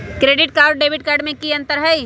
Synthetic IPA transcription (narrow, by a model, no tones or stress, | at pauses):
kɾeːɖɪʈ̚kaːɾɖ̚ːeːbʱɪʈ̚kaːɾɖmẽkiə̃nt̪əɾɦəj